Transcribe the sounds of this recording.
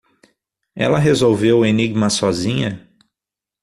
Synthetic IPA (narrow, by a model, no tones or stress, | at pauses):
ɛ̰lɐɦezowveweniɡmɐsɔzĩɲɐ